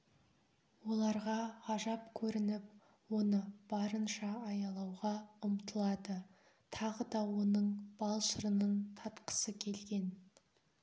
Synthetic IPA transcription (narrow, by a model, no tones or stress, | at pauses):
wo̞lˠɑɾʁɑɑʒɑpkʲʰɵɾɪnɪp̚ | wo̞nəb̥ɑɾənʃɑːjɑlˠɑwʁɑʊmt̪ʰəlˠɑd̪ə | t̪ʰɑʁəd̪ɑwo̞nəɴb̥ɑlˠʃəɾənəɴt̪ʰɑt̪qə̥səkʲʰe̞lɡʲe̞n